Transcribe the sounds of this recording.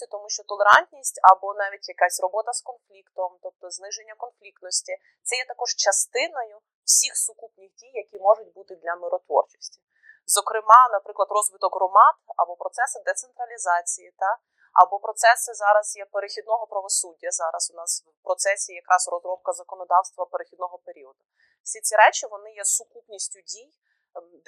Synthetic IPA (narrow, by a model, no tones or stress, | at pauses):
t̪ɔmuʃt͡ʃɔt̪ɔlˠeɾɑ̰nʲt̪ʲnʲisʲtʲɐbɔnɑʋʲitʲjɐkasʲrɔbɔt̪ɐskɔnflʲikt̪ɔmt̪ɔp̚t̪ɔznɪʒenʲːɐkɔnflʲikt̪nɔsʲtʲi | t̪sɛjɛt̪ɐkɔʒt͡ʃɐst̪ɪnɔjʊ | w̥sʲixsʊkupnʲɪxdʲijːɐkʲimɔʒʊt̚ʲbut̪ɪd̪lʲɐmɪɾɔt̪ʋɔ̰rt͡ʃɔ̥sʲtʲi̥ | zɔkɾɪmɑnɐpɾɪklˠɐd̪rɔzʋɪt̪ɔkɦrɔmɑt̪ɐ̰bɔpɾɔt̪sɛsɪd̪ɛt̪sent̪ɾɐlʲizɑt͡sʲijit̪ɑ | ɐ̰bɔpɾɔt̪sɛsɪzɑɾɐzjɛpeɾexʲid̪nɔɦɔpɾɐʋɔsudʲːɐzɑɾɐsʊnɑs | pɾɔt̪sɛsʲijɐkɾʔɑzrɔzɾɔb̚kɐzɐkɔnɔd̪ɑwst̪ʋɐpeɾexʲid̪̚nɔɦɔpeɾʲiɔd̪ʊ | fsʲit͡sʲiɾɛt͡ʃʲɪʋɔnɪjɛsʊkupnʲisʲtʲʊdʲij̪